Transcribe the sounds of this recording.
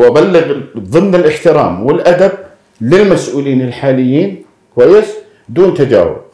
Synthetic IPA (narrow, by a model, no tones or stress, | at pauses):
wɪbalːɪɣðˤɨmnɪlʔɪħt̪ɪɾa̰ːmwɪlʔad̪ab̚ | lɪlmasʔuːliːnɪlħaːlɪjːiːn | kwajːɪs | d̪uːnt̪ad͡ʒa̰ːwʊ̰b̚